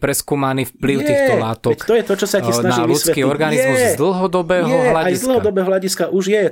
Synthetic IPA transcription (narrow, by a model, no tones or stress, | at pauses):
pɾɛskuːmaniːfpliʊt̪iːɛxt̪ɔlaːt̪ɔkt̪ɔjɛt̪ɔt͡ʃɔsacisnanaiːɾmusʋɛkiːɔɾɡaniɛzmuzd̪l̩ˠɦɔd̪ɔbɛːɦɔɦlaajzsd̪l̩ˠɦɔd̪ɔbɛːɦɔɦlaɟiskaʔuʒjɛ